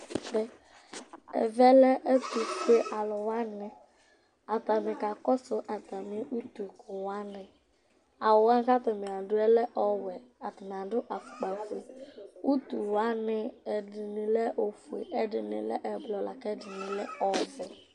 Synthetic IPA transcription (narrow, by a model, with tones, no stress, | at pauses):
dɪ˦ | ɛ̰˨vɛ˦lɛ˦ʔɛ˦t̪u˨fe˦ʔa˨lʊ˨wa˦nɪ˨ | a˨t̪a˨mɪ˨ka˨kɔ˦sʊ˦ʔa˨t̪a˨mɪ˦ʔu˦t̪u˨kʊ˨wa˦nɪ˨ | a˨wʊ˨wa˦n˦ka˦tʊ˨mɪ˨a˨dʊ˦ɛ˦lɛ˦ʔɔ˦wɛ˨a˨tɪ˨na˨dʊ˦ʔa˨k͡pa˨fu˨e˨u˦t̪u˨wa˦nɪ˦ɛ˨dɪ˨nɪ˨lɛ˦ʔo˨fu˨ḛ˨ʔɛ˦dɪ˨nɪ˨lɛ̰˦ʔɛ˨blɔ˨la˨kɛ˦dɪ˨nɪ˨lɛ˦ɔ˨zɪ˨